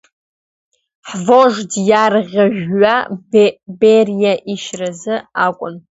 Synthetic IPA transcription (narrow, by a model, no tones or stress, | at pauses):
ħvoʐdjarʁʲaʒᶣːa | berjaʔiʃrazɨakʷʼʊn